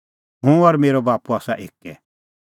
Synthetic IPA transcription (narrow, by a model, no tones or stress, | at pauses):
ɦũɐɾmeːɾɔbaːpuaːsaʔeːkːɛ